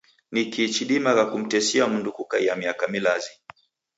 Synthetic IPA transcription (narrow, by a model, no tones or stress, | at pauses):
nikit͡ʃiɗimakakum̩tɛsiamundukukajamiakamilazi